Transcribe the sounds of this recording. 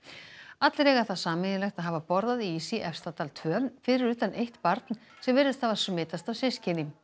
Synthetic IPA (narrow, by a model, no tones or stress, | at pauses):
at̪lɾɛːɣaθaðsaːmɪðɪlɛxt̪aðɦaːvapɔɾðaðiiːsiʔɛfst̪at̪alt̪ʰvœːnfɪɾɪɾʏːt̪anʔejht̪paɾt̪n | sɛmvɪɾðɪst̪havasɔmɪːt̪ast̪awsɪscɪnɪ